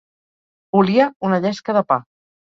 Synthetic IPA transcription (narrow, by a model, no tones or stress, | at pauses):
buliəunəʎɛskəðəpa